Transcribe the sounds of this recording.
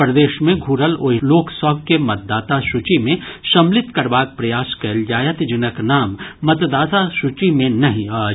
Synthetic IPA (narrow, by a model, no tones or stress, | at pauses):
pɾɐd̪eːʃmẽɡʱuːɾəloːɦloːksɔɡ̚kemɐt̪̚d̪aːt̪aʃʊt͡ʃimẽʃɐ̃mlɪt̪kɐɾbaːk̚pɾɐjaːskɐljaːjət̪d͡ʒɪnəknaːmːɐt̪d̪aːt̪aʃut͡ʃimẽnɐɦĩaː